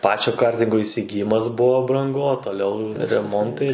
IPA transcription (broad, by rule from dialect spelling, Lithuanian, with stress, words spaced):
ˈpɑːt͡ʃʲoː ˈkɐrʲtʲɪŋɡoː iːsʲɪɡʲɪˈjɪmɐs ˈbʊʋoː brɐŋˈɡʊ oː toːˈlʲɛʊ rʲɛˈmoːntɐɪ